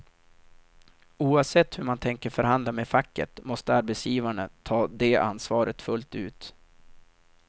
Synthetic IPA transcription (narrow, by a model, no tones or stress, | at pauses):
uːavsɛt̪ːhɵmant̪ʰɛŋkəɾfœɾɦand̪lamefakːə̰t̪mɔst̪əaɾbɛt̪sjiːvaɳət̪ʰɑːd̪eʔa̰nːsvɑːɾʔət̪fɵlt̪ʉ̟ːt̪